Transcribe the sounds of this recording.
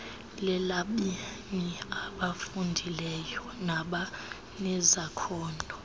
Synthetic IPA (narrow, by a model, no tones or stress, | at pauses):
lɛlaɓimiaɓafundʱilɛjɔnaɓa | nɛzakʰɔːndʱɔ